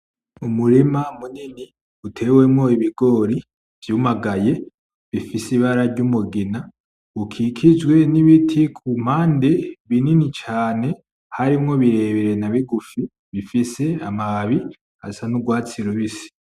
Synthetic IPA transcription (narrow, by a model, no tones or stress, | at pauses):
umuɾimamunini | utʰe̞we̞mŋo̞iβiɡo̞ːɾi | v̥jumaɡaje̞ | βifisiβaɾaɾɟumuɡina | ukʰikʰid͡ʒɡwe̞niβitʰikʰum̥haːnde̞βininit͡ʃaːne̞ | haɾimŋo̞βiɾe̞βeɾe̞naβiɡufi | βifise̞amaβi | ha̰sanuɡwaːt͡siɾoβisi̥